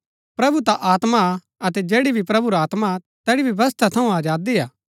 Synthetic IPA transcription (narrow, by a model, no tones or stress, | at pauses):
pɾɐbut̪aʔaːt̪ma | ɐt̪ɛd͡ʒeːɽibʱipɾɐbuɾaːt̪ma | t̪ɛːɽibjɐʋɐst̪ʰat̪ʰɐũaːd͡ʒaːd̪iaː